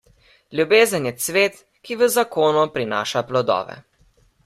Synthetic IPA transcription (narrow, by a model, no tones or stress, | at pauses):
lʲjubeːzənjɛsʋeːt̪ | kiʋəzakoːnupɾina̰ːʃaplɔd̪ɔ̰ːʋɛ̰